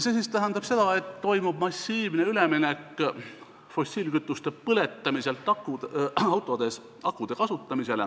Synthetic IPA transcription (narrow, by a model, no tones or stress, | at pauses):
sesist̪æɦænd̪ɑb̥se̞d̪̥ɑe̞t̪ːo̞jmub̥mɑsʲːiːvneyle̞minekːˑ | fo̞sʲːiːlkyt̪ːˑust̪e̞pɤle̞t̪ːˑɑmise̞lt̪ːˑɑkuɑwt̪ˑo̞d̪̥e̞s | ɑkːˑud̪̥e̞kɑsut̪ːˑɑmise̞le